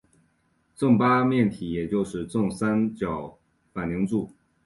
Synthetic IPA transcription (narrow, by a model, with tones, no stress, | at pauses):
t͡sɤ˥˩ŋpa˥mjɛ˥˩nt̪ʰi˨˥jɛ˨˩t͡ɕjo˥˧ʊʂɻ̩˥˧t͡sʊ˥˩ŋsa˥nt͡ɕjɑ˨˩ʊ | fa˨˩nli˧˥ŋt͡su˥˩